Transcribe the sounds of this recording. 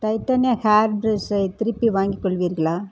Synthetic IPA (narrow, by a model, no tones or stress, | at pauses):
ʈɐɪʈ̪ːɐnjahaːɾbɾesɐɪt̪ɪɾɪpːiʋaːŋɡikːɔɭʋiːɾɣɐɭaː